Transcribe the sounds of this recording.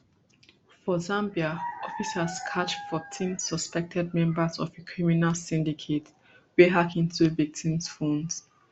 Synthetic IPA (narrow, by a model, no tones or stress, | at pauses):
fɔzãmbiaɔfisazkʰat͡ʃfɔtʰĩnsɔspɛk̚tʰɛd̚mɛ̃mbəzɔ̰vekʰɹiminalsĩndikʰet | wiɦakĩntʰuvik̚tʰĩmsfɔ̃ns